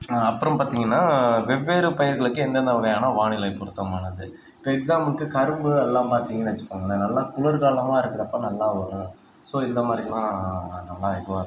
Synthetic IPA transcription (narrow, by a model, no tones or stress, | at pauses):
aɐpːɯɾɐ̃mpaːɾt̪iːŋɡɐnːaːʋɛʋːeːɾɯpɐjɐɾɣɐɭɯkːɯ̃ɛnd̪ɐnd̪ɐʋɐɣɐjaːnɐʋaːɳɪlɐɪpɔɾɯt̪ːɐmaːnɐðɯ | ɪpːoɛksaːmɐnkːɯkɐɾɯmbɯɛlːãːpaːɾt̪iːŋɡɐnɐʋɐt͡ʃːɯ̥kːaːŋɡɐnːɐnɐlːaːkʊɭɐɾɣaːlɐmãːɪɾɯkːɯɾɐpːɐːnɐlːaːʋɐlɯ | soːɪnd̪ɐmaːd̪ɾilãːnɐlːaːɪɾɯkːɯʋaːɾ